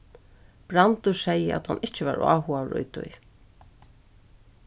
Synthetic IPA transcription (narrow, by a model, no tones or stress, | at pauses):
b̥ɾant̪ʊsɛjːəʔa̰t̪hanɪht͡ʃɪvaɾa̰ːɦʊaɾʊ̰jt̪ʊ̰j